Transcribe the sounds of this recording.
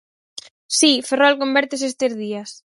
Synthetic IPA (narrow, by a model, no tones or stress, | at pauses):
siferɔlkombɛɾt̪es̬est̪ezðias